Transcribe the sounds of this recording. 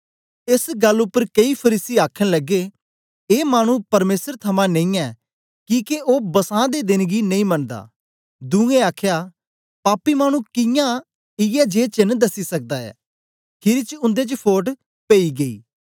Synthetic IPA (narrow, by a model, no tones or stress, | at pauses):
ɪsɡəlːʊpːəɾkɐipʰəɾiːsiaːkʰəñləɡeː | maːɽ̃ũpɐɾmeːsəɾt̪ʰɐmãnẽĩɛː | kiːkeoːbɐsãːd̪ed̪ɪnɡinɐ̃ĩːmɐɳd̪a̰ː | d̪ũːẽaːkʰjaː | paːpimaːɽ̃ũkɪjã | ɪjɛd͡ʒeːt͡ʃɪnd̪ɐsisɐk̚d̪aːɛ̰ː | kʰɪɾit͡ʃʊ̃nd̪et͡ʃəpʰoːʈ | peːiɡɐḭː